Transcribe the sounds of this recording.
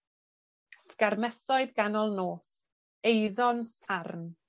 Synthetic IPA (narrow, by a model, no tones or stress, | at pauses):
skarmɛsɔɨðɡanɔlˠnoːs | ejðɔnsarn